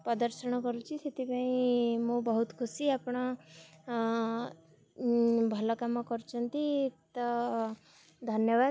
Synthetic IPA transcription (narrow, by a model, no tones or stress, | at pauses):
pɔd̪əɾsəɽ̃ɔkɔɾut͡ʃʰiset̪ʰipãĩmũbɔɦut̪kʰusiapɽ̃ɔ | bʱɔlɔkamɔkɔɾut͡ʃʰɔnt̪it̪ɔ | d̪ʱənjəba